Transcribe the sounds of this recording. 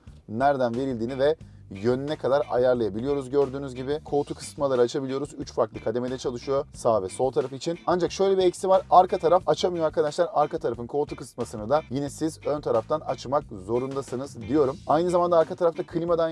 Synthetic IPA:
næɾd̪ænve̞ɾilʲd̪iːnivɛ | jø̞nynɛkʰad̪aɾa̰jaɾlˠajabilʲijo̞ɾuzɟø̞ɾd̪yːnyzɟibikʰo̞ːt̪ʰukʰɯ̥sɯ̥t̪malˠaɾɯaːt͡ʃʰabilʲijo̞ɾuzyt͡ʃfaɾk̪lˠɯkʰad̪e̞med̪ɛt͡ʃʰalˠɯʃɯjo̞saːvɛso̞lˠt̪ʰaɾafit͡ʃʰinand͡ʒakʃø̞jlʲɛbiɛci̥sivaɾaɾkʰat̪ʰaɾafat͡ʃʰamɯjoaɾkʰad̪aʃlˠaɾaɾkat̪ʰaɾafɯnkʰo̞ːt̪ʰukɯsɯt̪masɯnɯd̪ajinɛsizønt̪ʰaɾaft̪ʰanat͡ʃmak̚zo̞ɾund̪asɯnɯzd̪ijo̞ɾumajnɯzamand̪aːɾkʰat̪ʰaɾaft̪ʰakʰɯlʲimad̪an

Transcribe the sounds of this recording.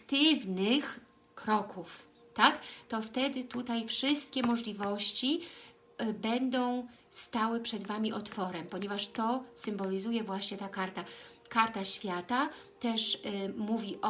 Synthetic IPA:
t̪ɘvnɘx | kɾɔkʰuf | t̪akt̪ɔft̪ɛd̪ɘt̪ut̪ajfʂɘst̪̚kʲɛmɔʐlʲivɔɕt͡ɕi | bɛnd̪ɔ̃w̃ | st̪awɘpʂɛd̪vamʲiʔɔt̪fɔɾɛmpɔɲɛvaʂt̪ɔsɘmbɔlʲizujɛvwaɕɲɛt̪akaɾt̪a | kaɾt̪aɕfʲjat̪a | t̪ɛʂmuvʲiʔɔ

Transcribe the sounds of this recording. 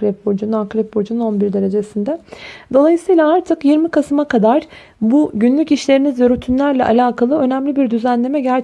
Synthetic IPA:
ɾɛp̚bod͡ʒununakɾɛp̚bod͡ʒununo̞nbiɾd̪e̞ɾe̞d͡ʒesind̪ɛd̪o̞lˠajɯsɯjlˠaaɾt̪ʰɯkjiɾmikʰasɯmakʰad̪aɾ | buɟynlʲyciʃlʲe̞ɾinizjøɾyt̪ʰynlʲæɾlʲɛʔa̰lʲaːkʰalˠɯø̞næmlʲibiɾd̪yzænlʲe̞mɛɟæɾt͡ʃ

